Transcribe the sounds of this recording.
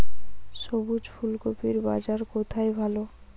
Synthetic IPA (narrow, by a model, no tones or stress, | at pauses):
ʃobud͡ʑfʰulkopiɾba̰d͡ʑaɾkot̪ʰajbʱalo